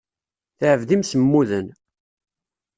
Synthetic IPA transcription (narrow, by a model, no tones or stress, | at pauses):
θəʕəvðimsəmːuðən